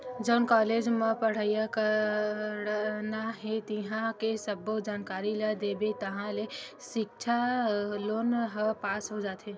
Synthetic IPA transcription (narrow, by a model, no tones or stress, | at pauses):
d͡ʒɔːnkɔːleːd͡ʒmə̃pɐɽ̤ajakə | naɦet̪iɦãkesəbod͡ʒaːnkaːɾilad̪eːbet̪ɐɦãle | ʃɪkt͡ʃʰaloːnɦəpaːsɦod͡ʒaːt̪ɦeː